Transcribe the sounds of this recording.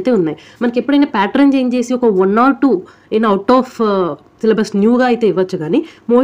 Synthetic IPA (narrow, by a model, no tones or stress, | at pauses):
t̪e̞ːunːaːji | mɐnɐkepːuɽɐjnaːpʲaːʈɐɾnd͡ʒejɐnt͡ʃe̞ːsiɔkɐʋɐnːaːɾʈuː | enːɐwʈɔːf | selɐbɾɐsnjuːɡaːɐjt̪e̞ːiʋːɐt͡ʃːuɡaːnimoː